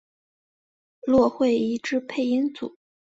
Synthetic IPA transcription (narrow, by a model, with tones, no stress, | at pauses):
lwɔ˥˧xwe˥˩ɪi˧˥˩ʈ͡ʂɻ̩˥pʰe˥˩ɪi˥nt͡sṵ˨˩˦